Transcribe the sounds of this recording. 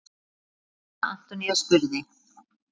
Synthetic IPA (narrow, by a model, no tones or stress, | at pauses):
a̰n̥t̪ɔnijaskʏɾðɪ